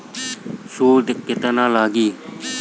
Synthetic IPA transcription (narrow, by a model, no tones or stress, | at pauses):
suːd̪ɪkːɪt̪ənãːlaːɡiː